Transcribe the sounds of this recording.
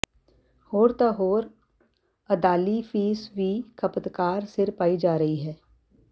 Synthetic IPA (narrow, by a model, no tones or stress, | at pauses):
hoːɾt̪aɦoːɾ | ɐd̪aːlifiːsʋikʰɐpət̪kaːɾsɪɾpaːid͡ʒaːɾɐɦiɦɛː